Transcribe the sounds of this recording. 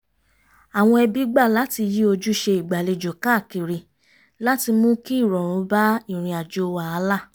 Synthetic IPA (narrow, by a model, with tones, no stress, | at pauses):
a˨w̃ɔ̃˧ɛ˧bi˨˦ɡ͡ba˦˨la˨˦ti˧ji˦o˧d͡ʒu˦ʃe˧i˨ɡ͡ba˨le˧d͡ʒo˨ka˦˨ki˨ɾi˨ | la˦ti˧mũ˦ki˦˨ɾɔ̃˨ɾ̃ũ˨˦ba˦i˦˨ɾ̃ĩ˧a˨d͡ʒo˧wa˨˦a˧˦la˦˨